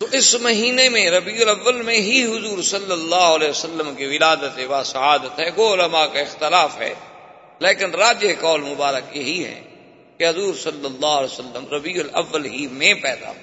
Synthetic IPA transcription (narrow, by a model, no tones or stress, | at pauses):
t̪oːʔɪsmɐɦiːnemẽɾɐbiːʊlɐʋːəlmẽɦiɦʊzuːɾsɐlːəlːaːɦʊɐlɛːsəlːəmkiʋɪlaːd̪ət̪ebaːsɐɦaːd̪ət̪ɦɛːkoːʊləmakaɪxt̪ɪlaːfɦɛ̰ː | leːkɪnɾaːd͡ʒekɔːlmʊbaːɾəkjeɦiɦɛ̰̃ː | keɦʊzuːɾsɐlːəlːaːɦlɛːsəlːəmɾɐbiːʊlɐ̰ʋːəlɦimẽpɛːd̪a̰ɦoː